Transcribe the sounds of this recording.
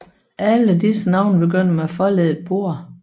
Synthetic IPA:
ʔæləd̥isənɑ̈ʊ̰nb̥e̝ɡøn̰meæfɒ̽lɛðˠed̥̚b̥o̝ɐ̰

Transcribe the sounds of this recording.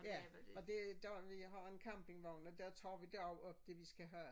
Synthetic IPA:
jæɒ̽d̥e̝d̥æʋiɦɑ̈e̝nkʰɑmb̥e̝ŋʋɒʊnɒd̥æɐt͡sʰɑ̰ːʋid̥æɐ̰ɒʊɒ̽b̥d̥e̝ʋisɡ̥æɦæ

